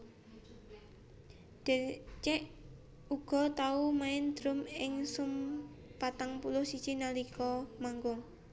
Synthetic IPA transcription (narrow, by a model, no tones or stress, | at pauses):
d̥et͡ʃɛʔ | uɡ̥ɔ̤t̪aumaɪnd̪̥ɾʊmɪŋsum | pat̪aŋpulʊhsi̥t͡ʃinalikɔmaŋɡʊŋ